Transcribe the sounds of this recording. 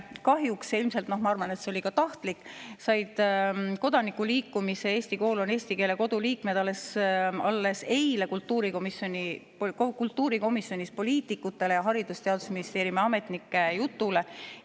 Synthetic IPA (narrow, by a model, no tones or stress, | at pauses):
kɑɦjuksilmse̞lt̪no̞hmɑɑrvɑne̞t̪seo̞lʲikɑt̪ɑht̪likːˑsɑjd̪̥ko̞d̪̥ɑnikːˑuliːkːumise̞eːsʲt̪iko̞ːlo̞neːsʲt̪ike̞ːle̞ko̞d̪̥uliːkme̞d̪̥ɑlːe̞sɑlːe̞se̞jle̞kult̪ːuːɾiko̞misjo̞nʲipkkult̪ːˑuːɾiko̞misjo̞nʲispo̞liːt̪ːˑikːˑut̪ːˑe̞le̞jɑɦɑɾid̪̥ust̪e̞ɑd̪̥u̥sminist̪e̞ːɾimɑme̞t̪nikːe̞jut̪ːˑule̞